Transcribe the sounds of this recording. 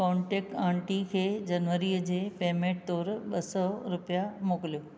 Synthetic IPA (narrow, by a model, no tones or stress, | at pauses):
kɔ̃ːɳʈeːk̚ʈãːɳʈikʰeːd͡ʑɐnʋəɾiəd͡ʑeːpeːmẽːʈ̚t̪ɔːɾɓɐsɔɾʊpijamoːkɪlijoː